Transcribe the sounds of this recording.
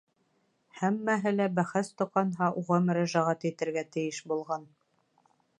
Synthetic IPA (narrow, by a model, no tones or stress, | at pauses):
hæmːæɦɘlæbæχæst̪ŏqɑnɦɑʔuʁɑmɵ̆ɾæʒæʁæt̪it̪ɘ̆ɾɡæt̪ɘ̆jɘʃbulˠʁɑn